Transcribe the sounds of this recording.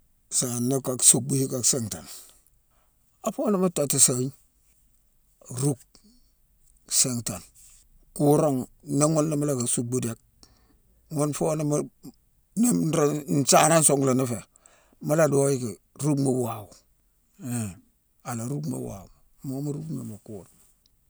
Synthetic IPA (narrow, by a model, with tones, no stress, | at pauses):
sa˨na˦ka˨ksu˨k̚bu˦hi˦ka˨kse˦ŋta̰˨n | a˨fo˦na˦ma˦ta˨ti˨sa˨˦ɲ | ɾu˦k̚ | se˦˨ŋta˨n | ku˦ɾa˦ŋna˦ŋo˦nla˦ma˦la˦˨ka˨su˨k̚bu˦de˦k̚ | ŋo˦nfo˦na˦ma˦ | na˦ɾn̩˨˦t͡ʃa˦na˦nso˦ŋɡla˨na˦fe˨ | ma˦la˦do˦ji˦ke˨ | ɾu˦kma˨wa˨wu˨ | e˨ | a˨la˨ɾu˦kma̰˨wa̰˨ | mo˦ma˦ɾu˦kmḛ˨ma˨kuː˦ɾa˨ŋ